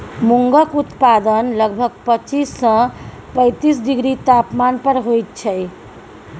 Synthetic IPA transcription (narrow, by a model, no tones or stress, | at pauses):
muŋɡəkut̪pad̪ənləɡbʱəɡ̚pət͡ʃisːʌ̃ | pə̃ɪt̪isɖiɡɾit̪apmanpəɾɦojt̪̚t͡ʃʰəj